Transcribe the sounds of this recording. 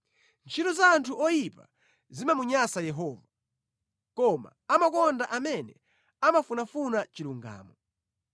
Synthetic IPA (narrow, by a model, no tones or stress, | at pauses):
nt͡ʃʰitɔzaːntʰuʔɔjipa̰ | zimamuɲasajɛɦɔːva | kɔma̰ | amakɔndaʔamɛnɛ | amafunafunat͡ʃiluŋɡa̰ːmɔ